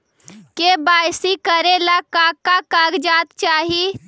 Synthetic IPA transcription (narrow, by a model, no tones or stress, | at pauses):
kebaːjsikəɾelakaːkakaːɡd͡ʒaːt̪t͡ʃaːɦi